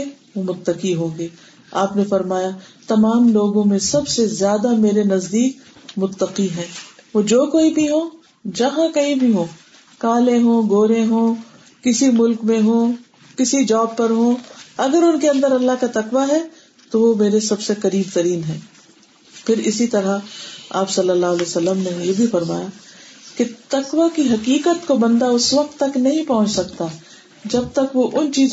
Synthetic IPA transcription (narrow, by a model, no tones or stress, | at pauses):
ʋomʊt̪ːəqiɦõːɡeː | aːpnefɐɾmaːjat̪ɐmaːmloːɡõmẽsɐbsezjaːd̪ameːɾenɐzd̪iːk̚ | mʊt̪ːəqiɦɛ̃ːʋoːd͡ʒoːkoːibʱiɦõː | d͡ʒɐɦãkɐɦĩbʱiɦõː | kaːlẽɦõːɡoːɾẽɦõː | kɪsimʊlkmẽɦõː | kɪsid͡ʒɔːb̚pːɐɾɦõːɐɡəɾʊnkeɐ̃nd̪əɾɐlːaɦkat̪ɐqʋaɦɛ | t̪oʋomeːɾesɐbsekɐɾiːbt̪ɐɾiːnɦɛ̃ː | pʰɪɾɪsit̪ɐɾaaːpsɐlːəlːaːɦleːsɐlːəmnejebʱifɐɾma̰ːjaket̪ɐqʋakiɦɐkiːkət̪kobɐ̃nd̪aʊsʋɐq̚t̪ːɐknɐɦĩpɐɦʊ̃t͡ʃsɐk̚t̪a | d͡ʒɐb̚t̪ɐkʋoʔʊnt͡ʃiːz